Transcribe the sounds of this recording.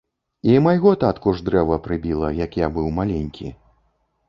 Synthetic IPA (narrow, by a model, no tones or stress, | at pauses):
imajɣɔt̪at̪kuʐd̪ɾɛvɐpɾɨbʲilˠɐjakjabɨwmalʲenʲkʲḭ